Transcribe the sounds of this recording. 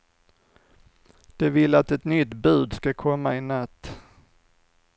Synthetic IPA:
d̪̥ɛvɪlat̪ɛt̪nʏt̪bʉ̟ːd̪skakʰɔmːaɪnat̪ː

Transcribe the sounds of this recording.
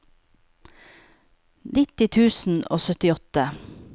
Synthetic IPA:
nɪt̪ɪt̪ʰʉːsn̩o̰ːsœt̪ɪɔt̪ə

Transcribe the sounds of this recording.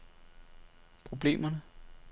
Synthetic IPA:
pʰʁo̝b̥le̝̰ːmɐnə

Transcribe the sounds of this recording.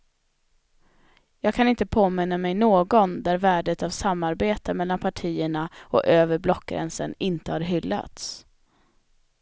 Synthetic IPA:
jɑːɡ̚kʰanɪnt̪əpʰoːmɪnːamɛjnoːɡɔnd̪æɾvæːɖət̪avsamːaɾbeːt̪əmɛlːanpʰaʈʰiːəɳaʔɔ̰ʔøːvəɾblɔkːɡɾɛ̰nsə̰nɪnt̪əhaɾɦʏlːa̰t̪s

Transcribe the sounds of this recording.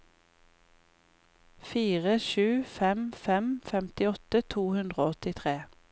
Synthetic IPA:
fiːʁəʃʉːfɛmfɛmfɛmt̪ɪɔt̪ət̪ʰuːhʉnd̪ʁoːɔt̪ɪt̪ʰʁeː

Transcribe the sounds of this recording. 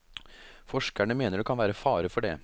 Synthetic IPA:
fɔʂkæɳəmeːnəɾɖkʰɑnʋæːɾəfɑːɾəfɔɖɛ̰ː

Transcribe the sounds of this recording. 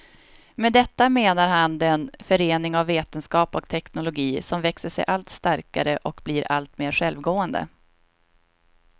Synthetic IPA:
med̪ɛt̪ːameːnaɾɦand̪ɛnfœɾeːnɪŋavːeːt̪ənskɑːpɔkt̪ʰɛknʊlʊɡiːsɔmvɛksəʂɛ̰jʔalt̪st̪aɾka̰ɾəʔɔkbliːɾa̰lt̪meːɾɧɛlvɡoːənd̪ə̰

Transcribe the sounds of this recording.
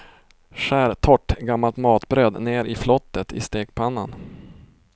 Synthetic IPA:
ʂæːɾt̪ʰɔʈːɡamːalt̪mɑːt̪bɾøːd̪neːɾɪflɔt̪ːət̪ʰɪ̰st̪eːkpʰanːan

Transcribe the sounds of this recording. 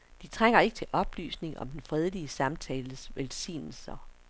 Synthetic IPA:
d̥it͡sʰʁaŋ̰ɐe̝ɡ̥ət͡sʰe̝lʔɒ̽b̥ly̰ːsne̝ŋɒ̽md̥enfʁɛð̞ˠliəsɑ̈mt͡sʰɛːləsʋelsḭːnl̩sɐ

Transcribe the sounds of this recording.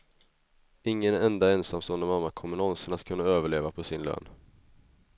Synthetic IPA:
ɪŋːənɛnd̪aɛnsamsɔːnd̪əmamːakʰɔmənɔnsəɳat̪kʰɵnːaøːvəɭeːvapʰɔsɪnlø̰ːn

